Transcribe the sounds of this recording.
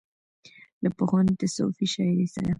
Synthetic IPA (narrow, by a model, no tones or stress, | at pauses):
d̪əpʊxʊnd̪əso̰fiʃajɾisa̰d̪a